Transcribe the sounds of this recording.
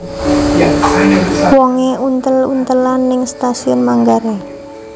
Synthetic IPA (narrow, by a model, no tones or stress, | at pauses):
wɔŋeunt̪əlṵnt̪əlanːɪŋst̪asiɔnmaŋɡaɾe